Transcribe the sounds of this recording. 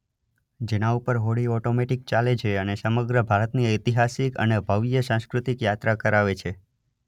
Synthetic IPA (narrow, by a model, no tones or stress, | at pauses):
d͡ʒenaupəɾɦoɽiɔʈomeʈik̚t͡ʃaled͡ʒʰeənesəməɡɾəbʱaɾət̪niət̪iɦasikə̰nebʱəʋjəsãskɾut̪ikjat̪ɾakəɾaʋet͡ʃʰe